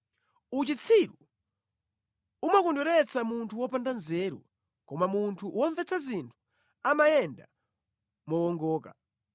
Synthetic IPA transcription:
ut͡ʃit͡sʰiɾu | umakɔndɔɾɛt͡samuntʰuwɔpandanzɛːɾṵ | kɔmamuntʰuwɔɱvɛt͡sʰazintʰu̥ | amajɛnda̰ | mɔwɔŋɡɔːka̰

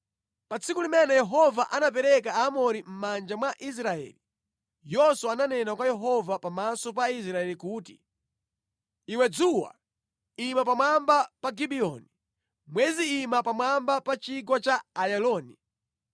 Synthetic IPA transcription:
pat͡sʰikulimɛnɛjɛɦɔvaʔanap̬ɛɾɛk̬aamɔɾim̩mand͡ʒamwaʔis̬ɾaɛ̰li | jɔswɔananɛnakwajɛɦɔvapamasɔp̬ais̬ɾaɛlikuːtḭ | iwɛd͡zuwa̰ | imap̬amwambapaɡibiɔni | mwɛziːmapamwambapat͡ʃiɡwɔt͡ʃaajalɔːni

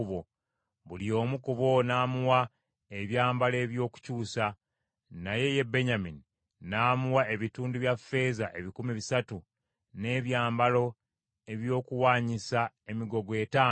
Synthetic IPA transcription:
βo | βulio̞ːmukuβo̞naːmuwa | eβjaːmbale̞ːβjo̞ːku̥cuːsa | naje̞je̞be̞ɲamini | naːmuwae̞βituːnduβjafːe̞ːzaʔe̞βikumiβisatu | ne̞ːβjaːmbalo̞ | e̞βjo̞ːkuwaːɲisa | e̞miɡo̞ɡwe̞ːtaː

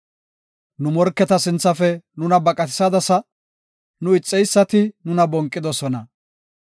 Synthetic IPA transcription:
nʊmɔɾkːɛt̪ɐsɪnt͡sːɐfɛnʊnɐbɐkʼɐt̪ɪ̥sɐd̪ɐsɐ | nʊɪt͡sʼːɛjsːɐt̪ɪnʊnɐbɔŋkʼːɪd̪ɔsɔnɐ

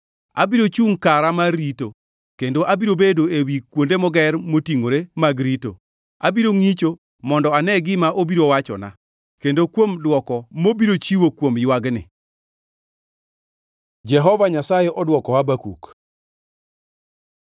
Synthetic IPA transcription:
a̰biɾot͡ʃuŋkaɾamarito | kendoʔabiɾobedoewikwondemɔɡɛrmotiŋoɾemaɡɾito̰ | abiɾoŋit͡ʃo | mɔndɔanɛɡɪmaʔobiɾowat͡ʃɔ̰na̰ | kendokwomdwɔkɔmobiɾot͡ʃiwokwomjwaɡnɪ̰ | d͡ʒɛɦɔvaɲasajɛʔɔdwɔkɔabakṵk

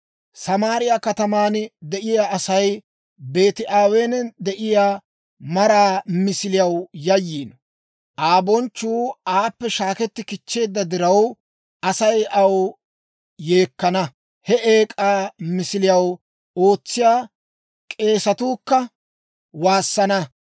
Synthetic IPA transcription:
sɐmaːɾɪjakɐt̪ɐmaːnd̪ɛʔɪjaːɐsɐj | be̞ːt̪ɪʔaːweːnd̪ɛʔɪjaː | mɐɾaːmɪsɪlɪjɐwjɐjːiːn | ʔaːbɔnt͡ʃːuːaːpːɛʃaːkɛt̪ːɪkɪt͡ʃːe̞ːd̪ːɐd̪ɪɾɐw | ʔɐsɐjʔɐw | je̞ːkːɐnɐ | hɛeːkʼaːmɪsɪlɪjɐw | o̞ːt͡sːɪjaː | kʼe̞ːsɐt̪uːkːɐ | waːsːɐnɐ

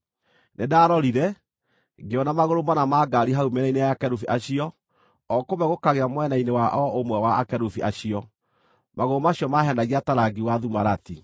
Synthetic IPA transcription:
nedaːɾɔɾiɾɛ | ɡeɔnamaɣoɾomanamaɡaɾiɦaumɛɾainejakɛɾufiʔaɕiɔ | ɔkomɛɣokaɣeamwɛnainewaʔɔʔomwɛwaakɛɾufiʔaɕiɔ | maɣoɾomaɕjɔmaɦɛndaɣiataɾaɡiwaðumaɾati

